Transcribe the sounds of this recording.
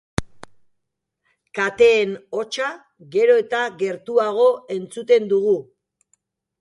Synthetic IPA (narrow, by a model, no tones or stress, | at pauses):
kat̪e̞ːno̞t͡ʃa | ɣe̞ɾo̞e̞t̪aɣe̞ɾt̪uaɣ̞o̞e̞nt͡sut̪e̞nd̪uɣ̞u